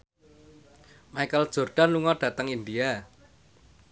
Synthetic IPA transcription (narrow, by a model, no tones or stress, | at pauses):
maikəld̥ʒ̥o̤rɖ̥a̤nluŋɔɖ̥ä̤t̪əŋind̪ia